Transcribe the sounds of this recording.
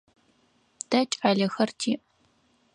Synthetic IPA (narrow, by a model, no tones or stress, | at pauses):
d̥ɐt͡ʃʼaɮɐxɐrtʰiːʔ